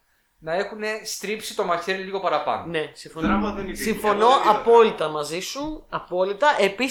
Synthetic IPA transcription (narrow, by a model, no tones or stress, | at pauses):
nɐe̞xune̞st̪ɾipsit̪o̞mɐçeɾliɣo̞pɐɾɐpɐ̰none̞siɱfonsiɱfo̞no̞ʔɐpo̞lit̪ɐmɐzisuɐpo̞lit̪ɐʔe̞pi